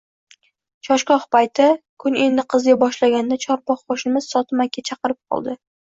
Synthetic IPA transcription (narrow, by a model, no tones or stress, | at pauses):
t͡ʃʰɒʃkɒhpajt̪ʰɪkʰʊne̞nd̪ɪqʰɨzɡʲabɒʃlaɡʲand̪at͡ʃʰɒɾpɒqχoʃɪmɪz̥sɒt̪ʰɪmakʲʰːat͡ʃʰɑqɨɾɪp̚qʰɒ̰lˠd̪ɪ